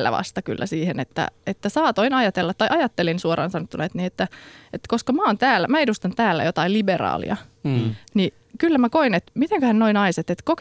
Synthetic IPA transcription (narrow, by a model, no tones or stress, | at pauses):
lːæ̰ʋɑ̰st̪ɑky̰lːæ̰siːhenet̪ːæ̰et̪ːæsɑːt̪oinɑjɑt̪elːɑt̪tːɑjʔɑjɑt̪ːelinsuoɾɑ̰ːnsɑnot̪ːunɑet̪niːet̪ːæet̪koskɑmæont̪æːlːæmæedust̪ɑnt̪æːlːæ̰jot̪ɑiliberɑ̰ːlḭɑ̰ | ni | kylːæmækoinet̪mit̪eŋkøhænnoinɑiset̪et̪kok